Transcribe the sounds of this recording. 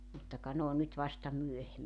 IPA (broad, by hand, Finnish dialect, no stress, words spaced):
mutːɑ kɑ n oːn nyt ʋɑstɑ myøhemːi